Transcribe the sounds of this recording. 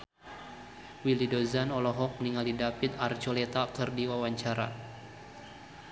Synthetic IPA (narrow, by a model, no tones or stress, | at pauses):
wilidozanɔlɔɦɔk̚niŋalidapit̪art͡ʃolɛt̪akɨrdiwawaɲt͡ʃaɾa̰